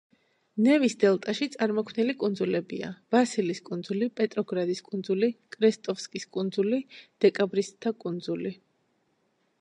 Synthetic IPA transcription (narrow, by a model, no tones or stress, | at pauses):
nɛvisd̪ɛlˠt̪ʼaʃit̪sʼaɾmɔkʰmnilikʼund̪zulɛbia̰vasiliskʼund̪zulipʼɛt̪ʼɾɔɡɾad̪iskʼund̪zulikʼɾɛst̪ʼɔfskʼiskʼund̪zulid̪̥ɛkʼabɾisd̪ʰakʼund̪zuli